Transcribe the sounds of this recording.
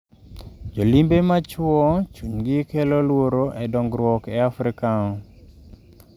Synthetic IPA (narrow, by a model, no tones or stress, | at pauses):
d͡ʒolimbemat͡ʃwɔt͡ʃuɲɡɪkɛlɔlwoɾoʔɛdɔŋɡɾwɔkɛafɾɪkaɔ